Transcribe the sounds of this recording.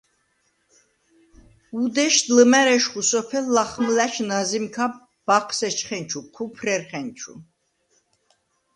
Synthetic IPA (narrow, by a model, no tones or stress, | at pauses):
ud̪ɛʃd̪ləmɛɾɛʃχusɔpʰɛlːaχmlæʃʰnazimkʰa | b̥aqʰsɛt͡ʃʰχɛnt͡ʃʰuqʰupʰrɛɾχɛnt͡ʃʰṵ